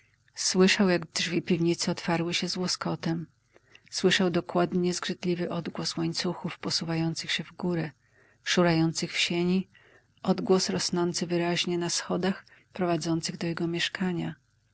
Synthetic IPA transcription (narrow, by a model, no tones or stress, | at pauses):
swɘʂawjaɡdʐvʲipʲivɲit̪sɛɔt̪faɾwɘɕɛzwɔskɔt̪ɛm | swɘʂawd̪ɔkwad̪ɲɛzɡʐɘt̪lʲivɘʔɔd̪ɡwɔswaɲt̪suxufpɔsuvajɔnt̪sɘxɕɛvɡuɾɛ | ʂuɾajɔnt̪sɘxfɕeɲi | ʔɔd̪ɡwɔsɾɔsnɔnt̪sɘvɘɾaʑɲɛnasxɔd̪axpɾɔvad̪zɔnt̪sɘɣd̪ɔjɛɡɔmʲjɛʂkʰaɲa